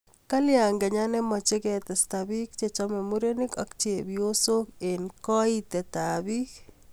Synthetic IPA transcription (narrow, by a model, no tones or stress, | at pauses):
kaljaŋɡɛɲanɛmɔt͡ʃekɛt̪ɛstabik̚t͡ʃet͡ʃɔmemuɾenɪkakt͡ʃebjosokenkɔit̪ɛt̪abik